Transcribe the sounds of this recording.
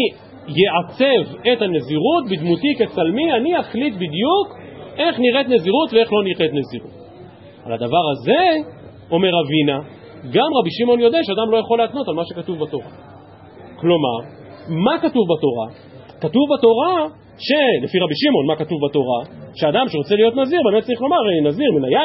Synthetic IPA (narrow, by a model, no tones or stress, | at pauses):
i | jeʕat͡se̞vethane̞ziʁut̚bid̪mutiket͡salmianiaχlitbid̪juke̞χniʁet̪ne̞ziʁutvee̞χlo̞niʁetneziʁṵt | a̰lad̪avaʁaze̞ | o̞meʁavina | ɡamʁabiʃimo̞njo̞d̪eaʃead̪amlo̞jaχo̞lːeat̪no̞talmaʃe̞katuvbato̞ʁa̰ | klo̞ma̰ʁ | makatuvbato̞ʁa̰ | katuvbato̞ʁa | ʃe̞lefiʁabiʃimo̞nmakatuvbato̞ʁaʃead̪amʃeʁo̞t͡selijot̪naziʁbemet̚t͡ssaʁiχlo̞maʁeinaziʁminaja